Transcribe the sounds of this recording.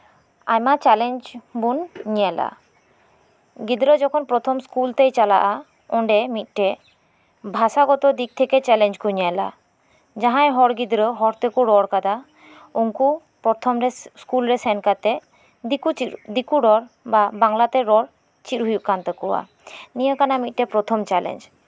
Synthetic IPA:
ajmat͡ʃɛleɲd͡ʒbunɲijala̰ | ɡid̪ɾəd͡ʒɔkʰɔnpɾɔt̪ʰɔmskult̪ejt͡ʃala̰ʔa | ɔɳɖɛmit̪̚ˀʈɛ | bʱasaɡɔt̪ɔd̪ik̚t̪ʰɛket͡ʃɛleɲd͡ʒkuɲala̰ | d͡ʒaɦãjɦɔɾɡid̪ɾɔɦɔɾt̪ekuɾɔɽkad̪a | uŋku | pɔɾt̪ʰɔmɾeskulɾesɛnkat̪ɛ | kuid̪ikuɖɔɾ | babaŋlat̪ɛɾɔl | t͡ʃitɦujukant̪ekɔwa̰ | nijɔkanamit̪̚ˀʈepɾɔt̪ʰɔmt͡ʃɛlḛɲd͡ʒ

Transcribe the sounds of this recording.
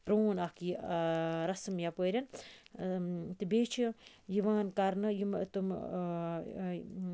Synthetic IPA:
pɾoːnaki | ɾɐsɨmjapoɾʲɐn | t̪ɨbeːt͡ʃʰijiʋaːnkɐɾnɨjimt̪um

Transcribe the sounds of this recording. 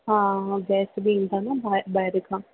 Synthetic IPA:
ɦãːɡɛːsbiĩnd̪aːnaːbabajɾəkʰãː

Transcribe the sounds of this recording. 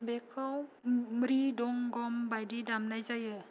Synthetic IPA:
bɛkʰawmɾidɔŋɡɔmbajdidamnajzajɯ

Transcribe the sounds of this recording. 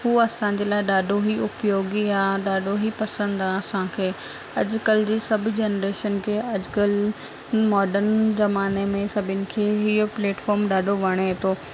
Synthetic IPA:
ɦuːɐsãːɲ̆d͡ʑeːlaːɪɗaːɖʱoɦiʊpjoːɡiaːɗaːɖʱoɦipɐsə̃nd̪ãsãkʰeː | ɐd͡ʑʊkəld͡ʑiːsɐbʱʊ̆d͡ʑeːnɾeːʃənkʰeːɐd͡ʑkəl | mɔːɖəɾnzɐmaːnemẽsɐbʱɪnɪ̆kʰeːɦiopleːʈfɔːɾmɗaːɖʱoʋɐɽ̃et̪ʰoː

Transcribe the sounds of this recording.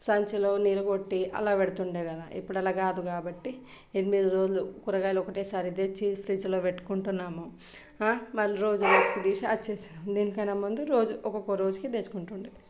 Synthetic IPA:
sɐɲt͡ʃɐlo̞ːniːlɐɡo̞ʈːiʔɐ̰laːʋeɽut̪uɳɖeːkɐd̪aːʔḭpːuɽɐlaːkaːd̪ukaːbɐʈːi | ed̪imiːd̪uɾo̞ːd͡ʒulukuɾɐɡaːjlɔkɐʈeːsaːɾid̪eːt͡ʃːipʰɾiːd͡ʒɐlo̞ːʋeʈːu̥kuɳʈunːaːmu | aːmɐlːuɾo̞ːd͡ʒuneːsu̥kud̪iːʃɐɐt͡ʃːesd̪iːnikɐjnɐmund̪uɾo̞ːd͡ʒuʔɔkokːoɾo̞ːd͡ʒukid̪eːsu̥kuɳʈuɳɖi

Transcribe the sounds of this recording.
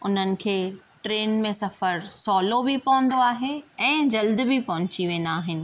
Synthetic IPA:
ʊn̤ənɪ̆kʰeːʈɾeːnmẽsɐfəɾsɔːlobipɐʋə̃nd̪oaːɦeɛ̃ːd͡ʑɐld̪ɪ̆bipɐ̃ɦʊ̃ɲt͡ɕiʋẽːn̆d̪aːɦɪnɪ̆

